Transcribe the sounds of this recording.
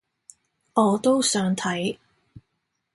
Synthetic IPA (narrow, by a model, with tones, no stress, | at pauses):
ɔː˨˧t̪o˥wsœː˨˥ŋt̪ʰɐ˨˥j